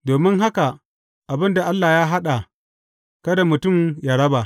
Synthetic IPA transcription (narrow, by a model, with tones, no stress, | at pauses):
doː˨mɪ˦ŋɦa˦ka˨ | ʔa˨bɪ˦nda˨ʔa˦lːaː˨ja˦ɦa˦ɗa˨ | kɐ˦da˨mʊ˨tʊ˦˨mja˦ɽɐ˦ba˨